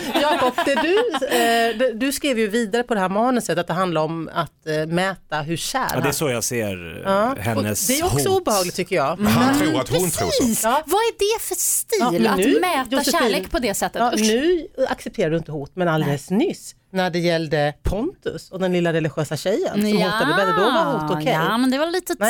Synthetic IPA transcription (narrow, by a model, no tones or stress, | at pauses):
jɑːhaɾɡɔt̪ːd̪ɛd̪ɵ | d̪ɛd̪ɵskɾiːvjɵviːd̪aɾəpʰɔd̪ɛɦæːɾmɑːnənsɛt̪ːat̪̚d̪ɛɦand̪laɾɔmatt̪mɛːt̪aɦɵɕæ̰ːɾd̪ɛæsɔja̰sḛːɾɑːhɛ̰nɔːə̰sd̪ɛæɾɔkssɔuːbəhɑːɡlɪt̪ʰːʏkːəjɑːɡ̪ʰɾuat̪hʊnʰɾṵːiːvaæɖɛfœstt̪iːlmɛnːʉːmɛːjʊsleːkpʰɔd̪ɛsɛt̪ːət̪ːnʉ̟ːaksɛp̚t̪ʰeːɾaɖ̪ɵɪnt̪əɦuːt̪mɛnald̪eːlsnʏs | næɖɛjɛld̪əpʰɔnt̪ɵ̰sɔd̪ɛnlɪlːaɾɛlɪɧøːsaɕɛjːə̰nsɔmuːt̪ad̪əvɛlːd̪ovahuːt̪ɔkʰɛjmɛnd̪ɛvaliːt̪ənɛ